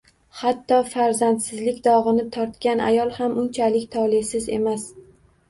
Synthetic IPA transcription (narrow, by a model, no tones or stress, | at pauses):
hat̪ːɒfaɾzant̪sɪzlɪkʲd̪ɒʁɨnɪt̪ʰɒɾt̪kʲanʔa̰jɒlˠhamʊnt͡ʃʰalɪkʲt̪ʰɒlˠesɪze̞̰mas